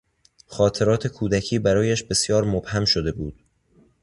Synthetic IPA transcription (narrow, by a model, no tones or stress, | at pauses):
xɒːt̪ʰe̞ɾɒːt̪ʰe̞kʰuːd̪æcʰiːbæɾɒːjæʃbe̞sjɒːɾmobhæmʃod̪e̞buːd̪̥